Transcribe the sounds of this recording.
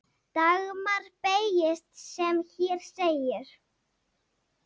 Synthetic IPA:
t̪aɣmaɾ̥pejɪst̪sɛmçɛɾ̥seːjɪɾ̥

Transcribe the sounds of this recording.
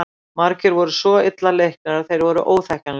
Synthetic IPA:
maɾcɪɾvɔɾʏsvɔɪt̪lalejhk̚naɾaðθejɾvɔɾʏ̰ʔoːwθɛhcanl

